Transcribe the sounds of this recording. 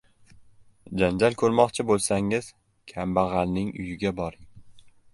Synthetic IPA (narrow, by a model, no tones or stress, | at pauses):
d͡ʒand͡ʒalkʰɵɾmɒqt͡ʃʰɪbolˠsaŋɪz̥ | kʲʰambaʁɑlnɪŋʊjɪɡʲabɒɾɪŋ